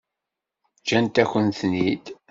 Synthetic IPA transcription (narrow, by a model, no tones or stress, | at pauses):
d͡ʒænt̪æçʷənt̪nid̪